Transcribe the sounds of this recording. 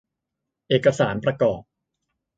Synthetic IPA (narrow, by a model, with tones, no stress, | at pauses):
ʔeː˨˩kːa˧saː˩˦npɾa˧kɔː˨˩p̚